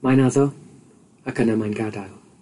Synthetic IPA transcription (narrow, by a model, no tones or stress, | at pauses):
majnaðɔ | akʰənamajnɡadajlˠ